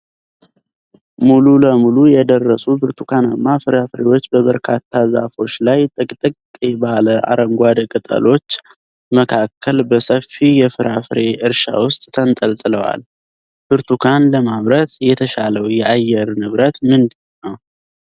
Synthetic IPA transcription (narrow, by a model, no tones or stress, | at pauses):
mululəmulujɛd̪ərːəsubɨɾt̪ʰukʰanɨmːafɨɾafɾe̞wo̞t͡ʃːbəβəɾkʰat̪ʰːaza̰fo̞t͡ʃːlajt̪ʼɨkʼt̪ʼɨkʼkʼebaləʔa̰ɾəŋɡʷad̪kʼɨt̪ʼə̰lo̞t͡ʃː | məkʰakʰːəlbəsəfijɛfɨɾʔafɨɾe̞ʔɨɾʃa̰wʊst̪ʼt̪ʰənt̪ʼəlt̪ʼɨləwa̰l | b̥ɨɾt̪ʰukʰanləmaβɾət̪jɛt̪ʰəʃaləwjɛʔajːɛɾnɨβɾət̪mɨnd̪ɨnːəw